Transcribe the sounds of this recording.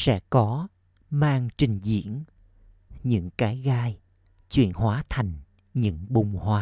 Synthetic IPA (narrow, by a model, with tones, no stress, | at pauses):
sɛ̰˧˥kɔ˨˦ | maː˧ŋt͡ɕï˨˩ŋ̟zḭ˧˥˨ən | ɲɨ̰˧˥ŋkaː˨˦jɣaː˧j | t͡ɕwḭ˧˨ənhwaː˨˦t̪ʰa˨˩jŋ̟ | ɲɨ̰˧˥ŋɓʊ˨˩ŋ͡mhwaː˨˦